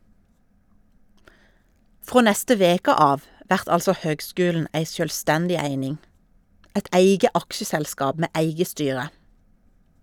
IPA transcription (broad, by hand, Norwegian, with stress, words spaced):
ˈfʁoː ˈnɛstə ˈʋeːkə ˈɑːʋ ˈʋæʁt ˈɑlsɔ ˈhøːɡˌskʉːln̩ ˈæɪ sjœlˈstɛndɪ ˈæɪnɪŋ ˈæɪd ˈæɪɡə ˈɑkʃəsɛlˌskɑːb ˈmeː ˈæɪɡə ˈstyːʁə